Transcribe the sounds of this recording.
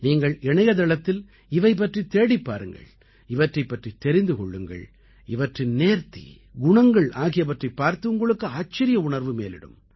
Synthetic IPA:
niːŋɡɐɭɛɳɐjɐðɛɭɐt̪ːɪl | ɪʋɐɪp̬ːɐʈrit̪eːɽɪpːaːɾɯŋɡɐ̰ɭ | ɪʋɐʈrɐɪpːɐʈrit̪ɛɾɪnd̪ɯkɔɭːɯŋɡɐ̰ɭ | ɪʋɐʈrɪnneːɾt̪ḭ | ɡʊɳɐŋɡɐɭaːɣɪjɐpɐʈrɐpːaːɾt̪ɯʊŋɡɐɭɯkːɯaːt͡ʃːɐɾɪjɐʊɳɐɾʋɯmḛːlɪ̰ɽɯ̰m

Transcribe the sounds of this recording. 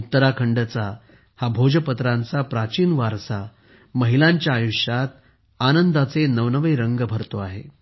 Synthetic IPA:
ut̪ːəɾakʰəɳɖət͡sa | habʱod͡ʑəpət̪ɾãnt͡sapɾat͡ɕiːnʋaɾsa | məɦilãɲt͡ɕjaːjuɕjat̪̚ | anənd̪at͡senəʋnəʋəjɾəŋɡəbʱəɾt̪oaɦḛ

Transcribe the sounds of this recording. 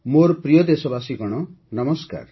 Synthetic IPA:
moɾpɾijɔd̪esɔbasiɡɔɽ̃ɔ | nʌmɔska̰ɾ

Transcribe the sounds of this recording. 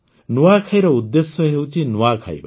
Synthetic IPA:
nuwakʰajɾʌud̪ːesjʌɦewt͡sʰinuakʰa̰j̰ba

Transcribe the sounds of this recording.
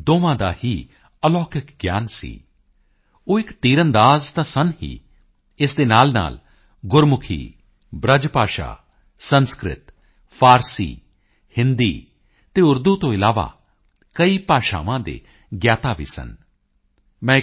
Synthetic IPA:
d̪oːʋãːd̪aːhiː | əlɔːkɪkɡjaːnsḭː | oːɪkt̪iːɾənd̪aːzt̪ãːsənɦḭː | ɪsd̪eːnaːlna̰ːl | ɡʊɾmʊkʰḭː | bɾəd͡ʒpaːʃa̰ː | sənskɾɪ̰t̪ | pʰaːɾsḭː | hɪnd̪iː | t̪eːʊɾd̪uːt̪õːɪlaːʋa̰ː | kəiːpaːʃa̰ːʋãːd̪ḛː | ɡjaːt̪aːʋḭːsə̰n | mɛ̃ː

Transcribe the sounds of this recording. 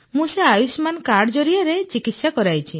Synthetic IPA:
mũseajusmankaɽd͡ʒɔɾiaɾet͡ʃikit̪sakɔɾajt͡ʃʰi

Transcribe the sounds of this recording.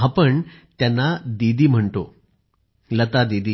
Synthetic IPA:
apəɳt̪janːad̪id̪ʱiːm̤əɳt̪o | lət̪ad̪id̪ʱiː

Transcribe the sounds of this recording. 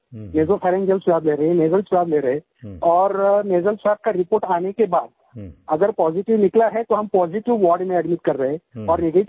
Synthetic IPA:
neːzofʰɛːɾɛ̃ŋd͡ʒəlsʊʋaːbleːɾɐɦɛ̃neːzəlsʊaːbleːɾɐɦẽ | ɔːɾneːzəlswɛːb̚kaɾɪpoːɾʈaːnekebaːd̪̚ | ɐɡəɾpɔːzɪʈɪʋnɪklaɦɛt̪oɦɐ̃mpɔːzɪʈɪʋʋɔːɾɖmẽɐɖmɪʈ̚kɐɾːɐɦẽɔːɾnɪɡeːʈ

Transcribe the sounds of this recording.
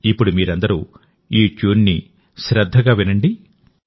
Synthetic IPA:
ipːuɽumiːɾɐnd̪ɐɾuː | iːt͡ʃuːnːi | ʃɾɐd̪ʱːɐɡaːʋinɐɳɖi

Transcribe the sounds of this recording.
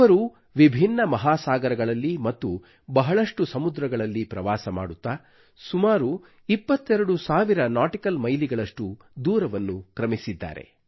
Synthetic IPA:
ɐɾu | ʋibʱinːɐmɐɦaːsaːɡɐɾɐɡɐɭɐlːimɐt̪ːu | bɐɦɐɭɐʂʈusɐmud̪ɾɐɡɐɭɐlːipɾɐʋaːsɐma̰ːɽut̪ːa | sumaːɾu | ipːɐt̪ːɛɾɐɽusaːʋiɾɐnaːʈikɐlmɐjliɡɐɭɐʂʈu | d̪uːɾɐʋɐnːukɾɐmisid̪ːa̰ːɾḛ

